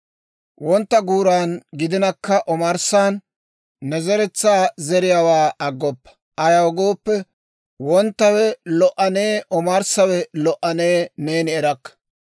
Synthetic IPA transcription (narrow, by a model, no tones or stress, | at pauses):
wɔnt̪ːɐɡuːɾaːnɡɪd̪ɪnɐkːɐʔɔmɐɾsaːnː | ɛzɛɾɛt͡sːaːzɛɾɪjawaːɐɡːɔpːɐ̥ | ʔɐjɐwɔɡo̞ːpːɛ | wɔnt̪ːɐwɛlɔʔɐneːʔɔmɐɾsɐwɛlɔʔɐneːneːnɪɛɾɐkːɐ̥